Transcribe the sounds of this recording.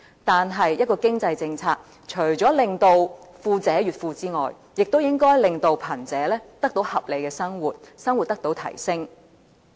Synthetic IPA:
t̪aː˨nɦɐ˨jːɐ˥t̚kɔː˧kɪ˥ŋt͡sɐ˧jt͡sɪ˧ŋt͡sʰaː˧k̚ | t͡ʃʰɵ˨˩ɥt͡ʃɔː˨˥lɪ˨ŋt̪o˧wfuː˧t͡sɛː˨˥jyː˨t̚fuː˧t͡siː˥ŋɔ̰ː˨˩j | jɪ˨k̚t̪o˥wjɪ˥ŋkɔː˥jlɪ˨˧ŋt̪o˧wpʰɐ˨˩nt͡sɛː˨˦˥lɛː˥t̪ɐ˥k̚t̪o˨˥whɐ˨p̚le˨˧jkɛː˧sɐ˥ŋwuː˨t̚sɐ˥ŋwu˨t̚t̪ɐ˥k̚t̪o˨˥wt̪ʰɐ̰˨˩jsɪ˥ŋ

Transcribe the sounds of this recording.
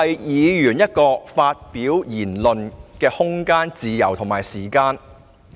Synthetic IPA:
ɐ˨jjiː˨˧jyː˨˩njɐ˥t̚kɔː˧faː˧t̚piː˨˥wjiː˨˩nlɵ˨nkɛː˧hʊ˥ŋkaː˥nt͡siː˧jɐ˨˩wt̪ʰʊ˨˩ŋmaː˨˩jsiː˨˩kaː˧n

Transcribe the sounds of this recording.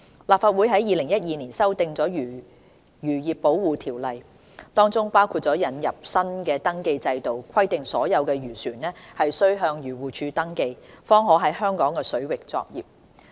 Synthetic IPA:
laː˨p̚faː˨t̚wuː˨˥jɦɐ˨˥jiː˨˧lɪ˨˩ŋjɐ˥t̚jiː˨˧niː˨˩nsɐ˥wt̪ɪ˨˧ŋt͡sɔː˨˥j | jyː˨˩jiː˨˩pːo˨˥wwuː˨t̪ʰiː˨˩wlɐ˨j | t̪ɔː˥ŋt͡sʊ˥ŋpaː˥wkʰu˧t̚t͡sɔː˨˥jɐ˨˥njɐ˨p̚sɐ˥nkɛː˧t̪ɐ˥ŋke˧jt͡sɐ˧jt̪o˨wkʷʰɐ˥jt̪ɪ˨ŋsɔː˨˥jɐ˨˧wkɛː˧ɥyː˨˩syː˨˩nlɛː˥hɐ˨jsɵ˥ɥɦœː˧ŋjyː˨˩wuː˨t͡ʃʰyː˧t̪ɐ˥ŋke˧jfɔː˥ŋɦɔː˨˥ɦɐ˨˥jɦœː˥ŋkɔː˨˥ŋkɛː˧sɵ˨˥ɥwɪ˨k̚t͡sɔ̰ː˧k̚jḭː˨p̚

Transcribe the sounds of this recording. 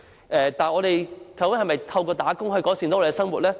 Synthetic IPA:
ʔɛː˨˧t̪aː˨nɔː˨˧ɾe˨jkʰwkɪ˨˥hɐ˨˩jmɐ˨jt̪ʰɐ˧wkɔː˧t̪aː˨˥kʊ˥ŋhɵ˧jkɔː˨˥si˨nɔː˨˦˥ɔː˧e˨˧ɛsɐ˥ŋmwuː˨t̚lɛː˥

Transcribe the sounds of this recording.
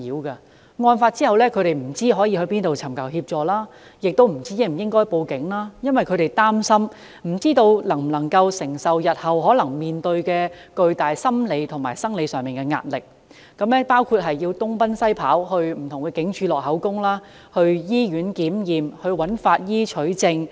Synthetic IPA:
iː˨˧wkɐ˧ | ŋɔː˧nfaː˧t̚t͡siː˥hɐ˨wlɛː˥kʰɵ˧ɥɾe˨jm̩˨˩t͡siː˥ɦɔː˨˥jiː˧ɦɵ˧ɥpiː˥nt̪o˨wt͡sʰɐ˨˩mkɐ˨˩whiː˧p̚t͡ʃɔː˨˧laː˥ | jɪ˨k̚t̪o˥wm̩˨˩t͡siː˥je˥˩m̩˨˩jɪ˥ŋkɔː˥jpo˧wkɪ˨˥ŋlaː˥jɐ˥nwɐ˨jkʰɵ˨˧ɥɾe˨jt̪aː˥msɐ˥m | m̩˨˩t͡siː˥t̪o˧wlɐ˨˩ŋm̩˨˩nlɐ˨˩ŋkɐ˧wsɪ˨˩ŋsɐ˨wjɐ˨t̚hɐ˨˩wɦɔː˨˥lɐ˨˩ŋmiː˨nt̪ɵ˧ɥkɛː˧kɵ˧ɥt̪aː˨˩jsɐ˥mle˨˧jt̪ʰʊ˨˩ŋmaː˨˩jsɐ˥ŋle˨˧jsœː˨˩ŋmiː˨nkɛ˧ŋa̰ː˧t̚lɪ˨k̚ | kɐ˨˥mlɛ˥paː˥wkʰuː˧t̚ɦɐ˨jːiː˧wt̪ʊ˥ŋpɐ˥nsɐ˥jpʰa̰ː˨˥whɵ˧ɥm̩˨˩t̪ʰʊ˨˩ŋkɛː˧kɪ˨˥ŋt͡ʃʰyː˨˧lɔː˨˩k̚ɦɐ˨˥wkʊ˥ŋlaː˥ | hɵ˧ɥjiː˥jyː˨˥nkiː˨˥mjiː˨mhɵ˧ɥwɐ˨˥nfaː˧t̚jiː˥t͡ʃʰɵ˨˥ɥt͡sɪ˧ŋ

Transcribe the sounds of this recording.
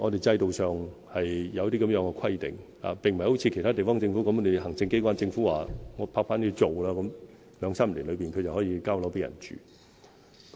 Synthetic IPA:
ŋɔː˨˧t̪e˨jt͡sɐ˧jt̪o˨wsœː˨ŋhɐ˨jjɐ˨˧wt̪̬iː˥kɐ˧˥mjœː˨˧˥ŋkɛ˧kʰɐ˥jt̪ɪ̰˨ŋha̰ː˨pe˨˩ŋm̩˨˩ho˨˥wt͡sʰi˧kʰe˨˩jt̪ʰaː˥t̪e˨˩fɔː˥ŋt͡sɪ˧ŋfuː˨˥kɐ˧˥m˧e˨jɦɐ˨˩ŋt͡sɪ˧ŋke˥kʷaː˥nt͡sɪ˧ŋfuː˨˥waː˨ŋɔː˨˧pʰaː˧kfaː˥nt̪ʰiː˧˥t͡so˨wlaː˥kɔ˨˧˥m | lœː˨˧ŋsaː˥m˨lḭː˨˩lɵ˨˧ɥpiː˨nkʰɵ˧t͡sɐ˨whɔː˨˥jiː˨˧kaː˥wlo˨˥wpe˨˧˥jɐ̰˨˩nt͡ʃy̰ː˨ | k

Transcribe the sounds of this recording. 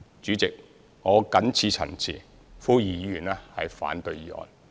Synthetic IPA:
t͡ʃyː˨˥t͡sɪ˨k̚ | ŋɔː˨˧kɐ˨˥nt͡sʰiː˧t͡sʰɐ̰˨˩nt͡sʰḭː˨˩ | fuː˥jiː˨˧jiː˧jyː˨˩nɛː˥hɐ̰˨jfa̰ː˨˥nt̪ɵ˧ɥjiː˨˥ʔɔ̰ː˧n

